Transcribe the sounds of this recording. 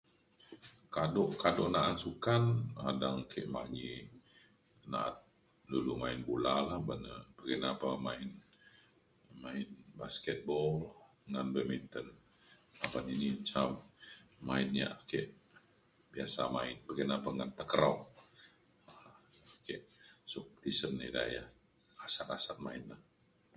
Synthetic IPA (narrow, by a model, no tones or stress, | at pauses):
kadoʔkadoʔnaʔansukanadaŋkʰeʔma̰ɡi | na̰ʔa̰t̪̚ | dulumaɪnbulalahbənəb̥əɡənapamaɪn | maɪnbaskɛt̪̚bɔl | ŋanbəmint̪ən | abaniniɲt͡ʃamː | a̰ɪnɲa̰kɛʔ | biasa̰maɪnbəɡənapaŋant̪əkəɾaŋ | akɛʔsʊk̚t̪isənːḛda̰ja̰ | asat̪asat̪̚maɪnlah